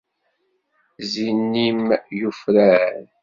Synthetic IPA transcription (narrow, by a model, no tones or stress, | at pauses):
zinːimjufɾæɾ